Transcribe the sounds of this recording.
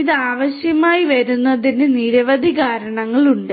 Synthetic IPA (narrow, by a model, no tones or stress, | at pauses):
iðɨaːʋɐɕjɐmaːjiʋɐɾunːɐðineniɾɐʋɐd̪ʱiɣaːɾɐɳɐŋːɐɭuɳɖɨ